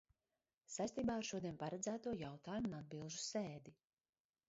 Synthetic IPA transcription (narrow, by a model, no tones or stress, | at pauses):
sajst̪iːbaːaɾʃuɔd̪iɛnpaɾad̪zæːt̪uɔjawt̪aːjumunad̪̚bilˠʒuseːd̪i